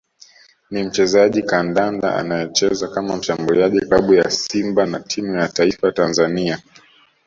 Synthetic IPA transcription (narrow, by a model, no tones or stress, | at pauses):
nim̩t͡ʃɛzaʄikandanda̰a̰najɛt͡ʃɛzakamam̩ʃambuliaʄikaɓujasimbanatʰimujataifatanzania